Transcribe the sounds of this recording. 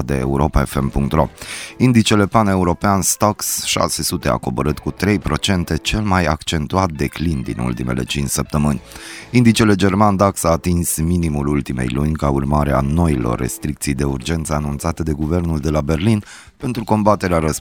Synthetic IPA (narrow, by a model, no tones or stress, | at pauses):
d̪eḛuɾo̞pae̞fe̞mpuŋk̚t̪ɾo̞̰ind̪it͡ʃe̞le̞pane̞uɾo̞peanst̪oksʃa̰se̞sut̪e̞a̰ko̞bəɾɨt̪kut̪ɾe̞jpɾo̞t͡ʃe̞nt̪e̞t͡ʃe̞lmaja̰kt͡ʃe̞nt̪uat̪̚d̪e̞klind̪ḭnṵlt̪ime̞̰le̞̰t͡ʃint͡ʃsəp̚t̪əmɨnʲind̪it͡ʃe̞le̞d͡ʒe̞rmand̪aksaːt̪insminimulult̪ime̞̰jlunʲkaurmaɾea̰no̞ilo̰rːe̞̰st̪ɾik̚t̪sijd̪e̞urd͡ʒe̞nt̪səanunt̪sat̪ed̪e̞ɡuve̞rnuld̪e̞labe̞rlin | pe̞nt̪ɾuko̞mbat̪e̞ɾeaɾəs